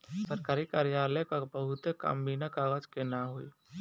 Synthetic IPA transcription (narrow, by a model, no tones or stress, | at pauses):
səɾkaːɾikaːɾijaːlekabəɦʊt̪eka̰mbinakaːɡəd͡ʒkenaɦoːḭ